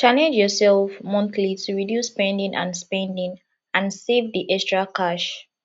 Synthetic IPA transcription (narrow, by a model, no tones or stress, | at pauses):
t͡ʃanɛ̃d͡ʒjɔsɛlfmɔ̃nθlitʰuɹidjusːpɛ̃ndĩŋʔã̰nspɛ̃ndĩŋ | ʔãnsevðiʔɛstɹakʰaʃ